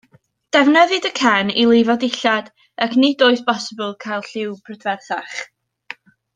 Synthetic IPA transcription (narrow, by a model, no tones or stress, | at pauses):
d̥ɛvnəðɨdəkʰɛnilˠɪvɔdɪɬad | əkʰnɪdoːɨθbɔsəbəlˠkʰajlˠɬɪwpʰrədvɛrθaχ